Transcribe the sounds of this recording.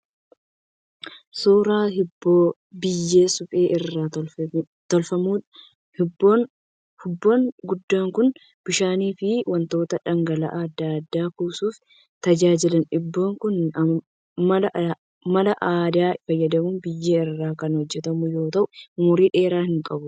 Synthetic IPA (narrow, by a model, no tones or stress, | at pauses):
suːɾaːhɪbːoː | bɪjːe̞ːsʊpʼeːʔɪrːaːt̪ | t̪ɔlfɐmuːᶑ | hɪbon | hɪbːo̞ːnɡʊd̪ːaːŋkʊn | b̥ɪʃaːniːfɪwɐnt̪o̞ːt̪ɐᶑɐŋɡɐlɐ̰ʔːd̪ːaɐd̪ːaːkuːsuːf | t̪ɐd͡ʒaːd͡ʒɪlɐnɪbːoːŋkʊn | mɐlɐʔ | mɐlɐʔaːd̪aːfɐjːɐd̪ɐmuːnbɪjːeːɪrːaːkɐnhɔd͡ʒːɛt̪ɐmʊjo̞ːt̪ɐʔʊmʊɾiːᶑe̞ːɾaːhɪŋkʼɐbʊ